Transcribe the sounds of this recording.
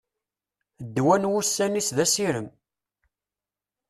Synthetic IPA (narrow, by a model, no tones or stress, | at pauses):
d̪ːwænwusːænisðæsiɾəm